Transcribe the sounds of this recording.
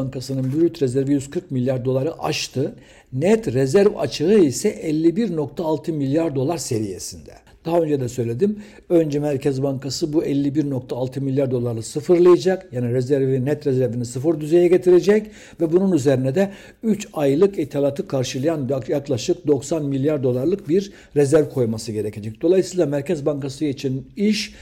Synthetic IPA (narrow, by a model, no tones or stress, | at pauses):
ŋkasɯnɯnbyɾyt̪ɾezæɾvijyz̥kʰɯɾkmilʲjaɾd̪o̞lˠaɾɯʔaʃt̪ʰɯ | nɛt̪ɾezæɾva̰t͡ʃʰɯɯisɛʔɛlʲːibiɾno̞k̚t̪ʰaːlˠt̪ʰɯmilʲjaɾd̪o̞lˠaɾse̞ɾije̞̰sind̪ɛ | d̪̥aɦaø̞nd͡ʒɛd̪ɛsø̞jlʲe̞d̪im | ø̞nd͡ʒɛmæɾcʰɛzbaŋkʰasɯbuɛlʲːibiɾno̞k̚t̪ʰaːlˠt̪ʰɯmilʲjaɾd̪o̞lˠaɾlˠasɯfɯɾlˠɯjad͡ʒakjaːniɾezæɾvinɛt̪ɾezæɾvinisɯfɯɾd̪yze̞jɛɟet̪ʰiɾed͡ʒɛc | vɛbununyze̞ɾinɛd̪ɛ | yt͡ʃajlˠɯkit̪ʰalʲat̪ʰɯkʰaɾʃɯlˠajanjaklˠaʃɯk̚d̪o̞ksanmilʲjaɾd̪o̞lˠaɾlˠɯk̚biɾ | ɾezæɾvkʰo̞jmasɯɟe̞ɾecʰe̞d͡ʒɛc̚d̪o̞lˠajɯsɯjlˠamæɾcɛzbaŋkasɯjet͡ʃʰiniʃ